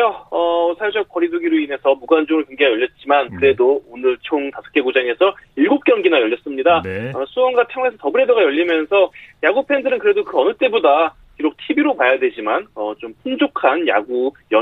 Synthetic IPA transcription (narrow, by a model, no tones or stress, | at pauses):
ʌʌsʰajd͡ʑʌk̚k͈ʌɾiduɡiɾoine̞sʰʌmuɡand͡ʑoŋɾɭkoŋɡeajʌʎːʌt̚t͡ɕ͈imankɯɾe̞doonɯɭt͡ɕʰoŋtasʰʌ̥k͈e̞ɡud͡ʑaŋe̞sʰʌiɭɡop̚k͈jʌŋɡinajʌʎːʌs͈ɯmɲidaʌsʰuʌnɡatʰeŋesʰʌtʌbɯɾe̞dʌɡajʌʎːimjʌnsʰʌjaɡupʰe̞ndɯɾɯnkɯɾe̞dokɯʌnɯt͈e̞boda | kiɾok̚tʰibiɾopajadwe̞d͡ʑimanʌt͡ɕompʰund͡ʑokʰanja̰ɡujʌ